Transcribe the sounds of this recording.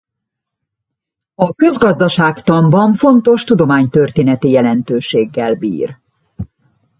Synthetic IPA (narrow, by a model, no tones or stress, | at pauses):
ɒkø̞zɡɒzd̪ɒʃaːkt̪ɒmbɒɱfo̞nt̪o̞ʃt̪ud̪o̞maːɲt̪ørt̪eːnɛt̪ijɛlɛnt̪øːʃeːɡːɛlbḭːr